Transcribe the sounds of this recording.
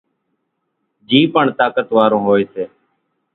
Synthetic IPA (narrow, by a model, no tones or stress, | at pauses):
d͡ʒiːpəɳt̪aːkət̪ʋaːɾõːɦoːeːseː